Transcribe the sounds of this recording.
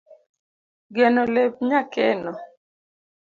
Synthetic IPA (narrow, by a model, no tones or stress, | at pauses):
ɡɛnɔlep̚ɲakɛnɔ